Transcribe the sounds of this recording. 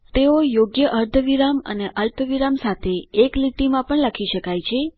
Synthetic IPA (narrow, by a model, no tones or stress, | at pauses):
t̪eojoɡjəʔəɾd̪ʱəʋiɾamə̰neʔəlpəʋiɾamsat̪ʰeːkliʈimãpəɳlakʰiʃəkajt͡ʃʰe